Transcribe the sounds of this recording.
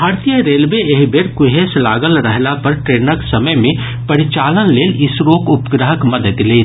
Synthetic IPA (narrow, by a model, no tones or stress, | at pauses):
bʱaːɾt̪ijəɾeːlʋeeɦbeɾkʊɦeslaːɡəlɾəɦlapɐɾʈɾeːnəksɐməjmẽ | pɐɾit͡ʃaːlənleːlɪsɾoːkʊpɡɾəɦəkmɐd̪əd̪leː